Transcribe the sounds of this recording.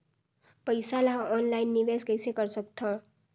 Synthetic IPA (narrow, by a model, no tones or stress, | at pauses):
pəjsalaɦɔnlainːibeskəjsekʌɾsʌkt̪ʰõ